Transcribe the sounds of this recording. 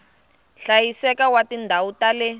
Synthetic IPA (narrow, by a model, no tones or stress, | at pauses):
ɬajisɛkawatindʱawutalɛ